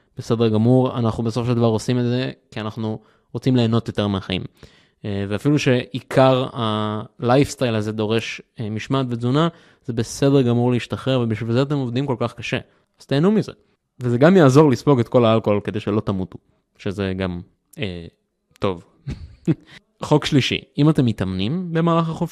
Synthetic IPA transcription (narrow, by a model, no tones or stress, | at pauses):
b̥ese̞d̪eʁɡamuʁa̰naχnubesofoʃeld̪avaʁo̞simetze̞kianaχnu | ʁot͡simle̞ːno̞t̪jo̞t̪e̞ʁmeaχaḭm | veafiluʃe̞ʔikʰaʁalajfst̪ajlaze̞d̪o̞ʁe̞ʃmiʃmat̪ved͡zuna | z̥e̞be̞se̞deɡamuʁleiʃtaχe̞ʁvebiʃvilzeat̬e̞movd̪imko̞lkaχkaʃe̞̰ | az̥t̪eːnumizḛ | vezeɡamjaːzo̞ʁlispo̞ɡet̪ko̞laalko̞olked̪e̞jʃelo̞t̪amut̪u | ʃezeɡam | e | t̪o̞v | χo̞kʃliʃḭimat̪e̞mːit̪amnimbe̞maːlaχaχof